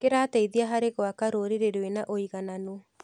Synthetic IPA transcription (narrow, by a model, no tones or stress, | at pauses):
keɾaːtɛiðiaɦaɾeɣoakaɾoɾeɾeɾwenaʔoiɣanano